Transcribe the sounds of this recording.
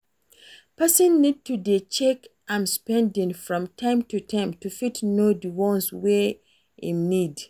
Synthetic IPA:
pɛsɔ̃nːid̚tʰudet͡ʃɛkʔãɪ̃mspɛ̃ndĩŋfɹɔ̃mtʰãɪ̃mtʰutʰãɪ̃mtufitnodəwɔ̃nswe | ḭ̃mnid

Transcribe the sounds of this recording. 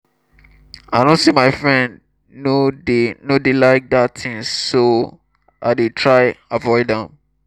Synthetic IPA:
aɪdõntsimaɪfɹɛ̃nd | nodenodelaɪk̚dattɪ̃ŋso | ʔaɪdetʰɹaɪavɔɪdɛ̃m

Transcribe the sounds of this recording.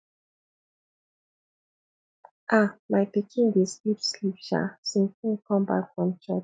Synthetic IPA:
ʔamajpikʰĩndeslipslipʃa̰sĩntĩnkɔ̃mba̰kfɹɔ̃mt͡ʃɛt͡ʃ

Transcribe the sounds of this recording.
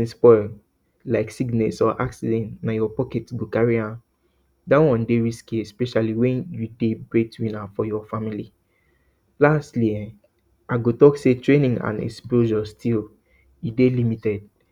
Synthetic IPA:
ĩspɔɪl | laɪksiɡnɛtsɔʔaksidɛ̃ntnajɔpɔkɛtɡokaɹiãn | dawɔ̃ndeɹiskiɛspɛʃaliwɛ̃njudebɹetwĩnafɔjɔfamili | lastliɛ̃ | aɡotɔksetɹẽnĩŋã̰nɛ̰ksploʒɔstʰil | idelimitɛd̚

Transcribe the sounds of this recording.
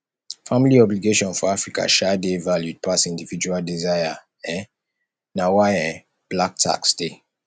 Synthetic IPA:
familiɔbliɡeʃɔ̃nfɔafɹika̰ʃadevaljud̚pʰasĩndivid͡ʒualdizaja | ɛ̃ | nawaɛ̃ | b̥lak̚tʰa̰ksde

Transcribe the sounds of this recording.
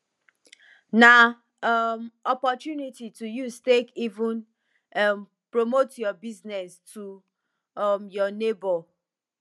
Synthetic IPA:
na | mɔpɔtjunititujustekivũn | m | pɹomotjɔbiznɛstʰu | mjɔnebɔ

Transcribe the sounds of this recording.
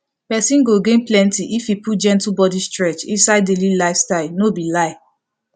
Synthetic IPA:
pɛsĩnɡoɡẽnplɛ̃ntiʔifiput̚d͡ʒɛ̃ntlubɔdistɹɛt͡ʃḭ̃nsaɪdelilaɪfstaɪlnobilaɪ

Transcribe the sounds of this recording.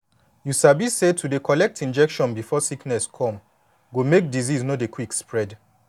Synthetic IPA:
jusabisetʰudekʰɔlɛk̚tĩnd͡ʒɛkʃɔ̃nbifɔsiknɛskʰɔ̃m | ɡomek̚diziznɔdekwikspɹɛd

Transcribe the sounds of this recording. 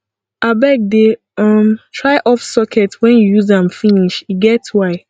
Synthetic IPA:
ʔabɛk̚de | ʌmtʰɹaɪʔɔfsɔkʰɛtwɛ̃njujuzãmfiniʃiɡɛtwaɪ

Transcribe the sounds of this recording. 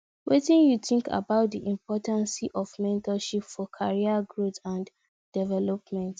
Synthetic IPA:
wetĩnjuθĩŋkʰa̰baʊt̚diʔĩmpʰɔtãnsiʔɔvmɛ̃ntɔʃipfɔkʰaɹiaɡɹotãn | d̥ɛvɛlɔpmɛ̃nt

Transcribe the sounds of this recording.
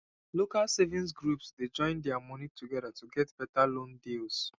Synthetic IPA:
lokalsevĩns̬ɡɹupsded͡ʒɔ̃ɪ̃ndɛamɔ̃nitʰuɡɛdatuɡɛtb̥ɛtalõndils

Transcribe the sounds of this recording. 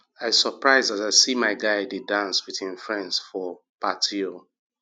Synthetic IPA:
aɪsəpɹaɪzðataɪsimaɪɡaɪdidãnswiðĩmfɹɛ̃ndsfɔ | patʰio

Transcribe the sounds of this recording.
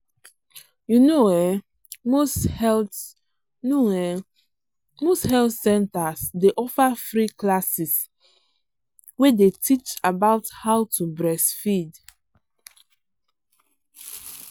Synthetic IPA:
junowɛ | mosɛ | noɛ | mosthɛlθsɛ̃ntasdeʔɔfafɹiklasis | wedetʰit͡ʃabaʊthawtubɹɛsfid

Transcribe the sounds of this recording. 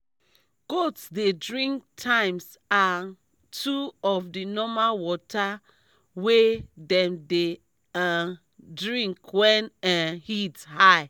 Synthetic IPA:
ɡ̥otsdedɹĩŋk̚tʰãɪ̃ms | an | tʰuɔfdinɔmalwɔta | wedɛ̃mde | dɹĩŋkwɛ̃nhithaɪ

